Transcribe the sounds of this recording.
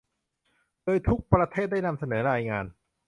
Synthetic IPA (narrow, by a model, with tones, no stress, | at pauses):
lɤː˧jt̪ʰu˦˥k̚pɾa˧t̪ʰeː˥˩t̪̚da˥˩jna˧msa˧nɤː˩˦ɾaː˧jŋaː˧n